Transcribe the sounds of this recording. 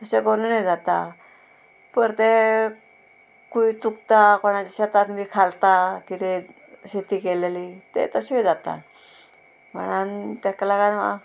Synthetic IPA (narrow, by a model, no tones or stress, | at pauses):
t̪əɕekonunajd͡zat̪a | pəɾt̪e | kuit͡sukt̪akoɽ̃at͡ɕiɕat̪at̪mikʰalt̪akit̪e | ɕet̪iːkeleliːt̪ḛt̪əɕeid͡zat̪a̰ | m̤ə̰ɽ̃ant̪akalaɡanʋa̰